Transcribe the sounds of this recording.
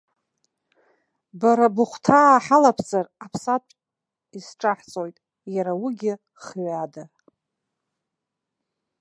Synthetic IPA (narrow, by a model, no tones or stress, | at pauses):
baɾabʊχʷtʰaːħalapʰzarapʰsatʷʼ | isʈ͡ʂʼaħt͡sʼojtʼ | jaɾawiɡʲɪ | χɥada